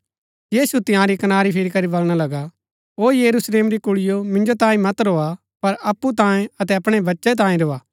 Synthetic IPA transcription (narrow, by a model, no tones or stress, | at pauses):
jiːsut̪ɪjãɾikɐnaːɾipʰɪɾikɐɾibɐlɽ̃alɐɡa | ɦoːjɐɾusleːmɾikʊɭɪjomɪ̃nd͡ʒot̪ãːĩmɐt̪ɾoːa | pɐɾɐpːut̪ãːẽɐt̪̬ɛɐpɽ̃ebɐtːʃɛt̪̬ãːĩɾoːaː